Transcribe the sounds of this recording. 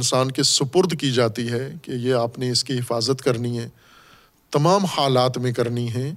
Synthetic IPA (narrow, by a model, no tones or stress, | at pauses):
nsaːnkesʊpʊɾd̪ʱkid͡ʒaːt̪iɦɛkejeaːpneɪskiɦɪfaːzət̪kɐɾniɦɛ̃ː | t̪ɐmaːmhaːlaːt̪mẽkɐɾniɦɛ̃ː